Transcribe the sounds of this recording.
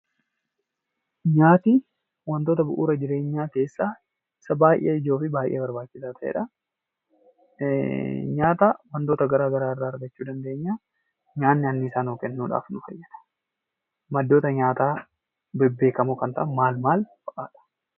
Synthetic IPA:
ɲaːt̪i | wɐnt̪o̞ːt̪ɐbʊʔṵːɾɐd͡ʒɪɾe̞ːɲːaːke̞ːsːaː | ɪsɐbaːjʔḛːɪd͡ʒo̞ːfɪbaːjʔḛːbɐɾbaːt͡ʃːɪsaːt̪ʰɐʔḛːᶑɐ | ɲaːt̪aːwɐnt̪o̞ːt̪ɐɡɐɾaːɡɐɾaːɪrːaːɐɾɡɐt͡ʃːuːd̪ɐnd̪e̞ːɲːaː | ɲaːnːɪɐnːɪːsaːnoːkɛnːuːᶑa̰ːfnʊfɐ̰jːɐd̪̥ɐ̥ | mɐd̪ːo̞ːt̪ɐɲaːt̪aː | bɛbːe̞ːkɐmʊkɐnt̪ɐ̰ʔɐmaːlmaːlfɐʔʼaːᶑɐ̥

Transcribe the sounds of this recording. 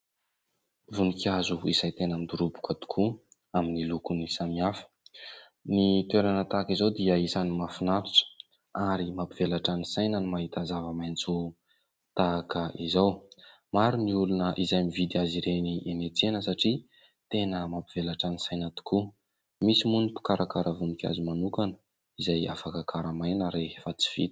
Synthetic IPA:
vunikʲazuizajt̪enamid̪uɾubu̥kat̪u̥kʰu | aminilukunisamiafə̥ | nit̪weɾanət̪aːkizawd̪iəisanimafinaɾiʈ͡ʂə̥ | aɾimapivelaʈ͡ʂanisajnənimaɦit̪azavəmajnt͡su | t̪akəizaw | maɾuniulunəʔizajmivid̪iaziɾeniʔenet͡senəsaʈ͡ʂi | t̪enəmapivelaʈ͡ʂanisajnat̪u̥ku | misimunipu̥kaɾʔakaɾavunikia̰zimanukanə | izaja̰fakakʰaɾamajnəɾefat͡si̥v̥ḭd̪̥i̥

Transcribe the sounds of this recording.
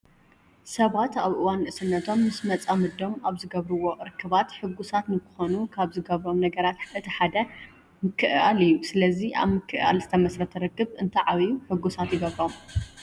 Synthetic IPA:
sɐβat̪aβʔɨwanːɨʔɨsɨnːɐt̪ʰo̞mːɨsmɐt͡sʼamɨd̪o̞maβzɨɡɐβɾɨwo̞ʔɨɾɨkʰːɨβat̪ħɨɡːusat̪nɨkɨxonukʰaβzɨɡɐβɾo̞mnɐɡɐɾat̪ɨt̪ʰɐħad̪ɐ | mɨkʰːɨʔalijusɨlɐziʔa̰βmɨkʰːɨʔa̰lzɨt̪ʰɐmɐsɾɐt̪ʰɐɾɨkːɨβɨnt̪ʰɐʕaβijuħɨɡːusat̪jɪɡɐβɾo̞m

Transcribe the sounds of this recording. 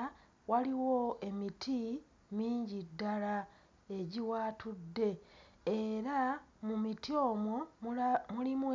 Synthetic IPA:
waliwo̞e̞mitʰi | miːɲɟidːala | e̞ɟiwaːtudːe̞ː | ɾamumitio̞mwo̞mulimu

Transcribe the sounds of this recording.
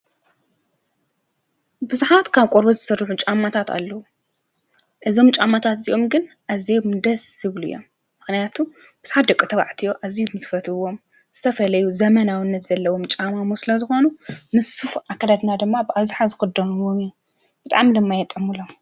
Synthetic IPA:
bɨzuħat̪kʰaβkʼoɾbozɨsɨɾːħut͡ʃʼamːat̪ʰat̪ʰa̰lːɐwu | ʔɨzo̞mt͡ʃʼamat̪ʰat̪ɨziʔo̞mɡɨn | ʔazid̪ɐsɨβluɨjːom | mɨxnijat̪ʰu | bɨz̥uħat̪̚d̪ɐkʼːɨt̪ʰɐβa̰ʕt̪ʰijo̞ʔazijbmɨsfɐt̪ʰɨɨwo̞m | z̥ɨt̪ʰɐfɐlɐjuzɐmɐnawɨnːɐt̪z̥ɐlːɐwomt͡ʃʼamamusɨlɐzɨxo̞nunɨsɨfʔakːad̪ad̪nad̪ɨmːabɨʔaβzɨħazɨxɨd̪ɐɾuwomju | b̥ɨt̪ʼa̰ʕmid̪ɨmːajɛt̪ʼːɨmɨlom

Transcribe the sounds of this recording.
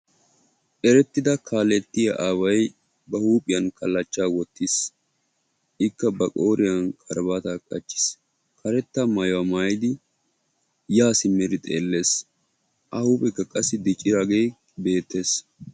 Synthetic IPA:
ʔɛɾɛt̪ːɪd̪ɐkʰaːlɛt̪ːɪjɐʔaːwɐj | bɐhuːpʼɪjɐnkʰɐlːɐt͡ʃːaːwɔt̪ːɪs | ʔɪkːɐbɐkʼoːɾɪjɐnkʼɐɾbaːt̪akʼɐt͡ʃːɪ̥s | kʰɐɾɛt̪ːɐmɐjwɐmaːjɪd̪ɪ | jaːsɪmːɛɾɪt̪ʼḛːlːe̞ːs | ʔɐhuːpʼɛkːɐkʼɐsːɪd̪ɪt͡ʃʼɪɾaɡeː | be̞ːt̪ːe̞ːs

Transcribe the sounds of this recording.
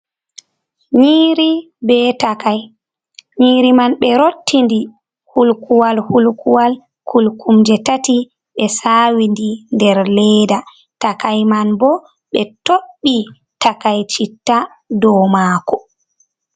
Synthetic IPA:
ɲiːɾi | bɛtakaj | ɲiːɾimanɓɛɾotːindi | hulkuwalhulkuwal | kʰulkumd͡ʒɛtati | ɓɛsaːwindindɛɾlɛːda | takajmanbɔ | ɓɛtoɓːi | takajt͡ʃitːa | dɔmaːkɔ

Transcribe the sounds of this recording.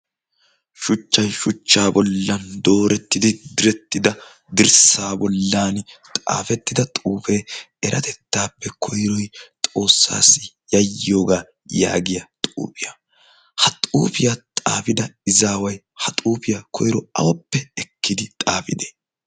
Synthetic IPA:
ʃʊt͡ʃːɐjʃʊt͡ʃːaːbɔlːɐnd̪o̞ːɾɛt̪ːɪd̪ɪd̪ɪɾɛt̪ːɪd̪ɐ | d̪ɪɾsaːbɔlːaːnt̪ʼa̰ːfɛt̪ːɪd̪ɐt̪ʼuːfeː | ɛɾʔɐt̪ɛt̪ːaːpːɛkʰɔjɾɔjt̪ʼo̞ːsːa̰ːsːɪ | jɐjːo̞ːɡaː | ja̰ːɡɪjɐt̪ʼṵːpɪjɐ | hɐt̪ʼṵːfɪjat̪ʼa̰ːfɪd̪ɐɪzaːwɐj | hɐt̪ʼuːfɪjakʰɔjɾɔɐ̰wɔpːɛɛkːɪd̪ɪt̪ʼaːfɪd̪eː

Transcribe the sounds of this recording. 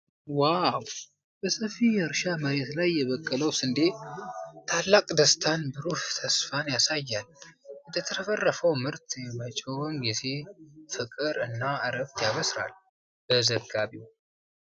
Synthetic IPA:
waw | b̥əsəfijɛɨɾʃaməɾe̞t̪lajːɛβəkʼːələwsɨnd̪e | t̪ʰalːakʼd̪əst̪ʰanbɨɾuht̪ʰəsfanjasajːalɨnd̪ət̪ʰəɾəfərːəfəwmɨɾt̪jɛmət͡ʃʼownɡize̞fɨkʼɨɾɨnːaəɾəbt̪jaβəsɾa̰l | b̥əzəɡːaβiw

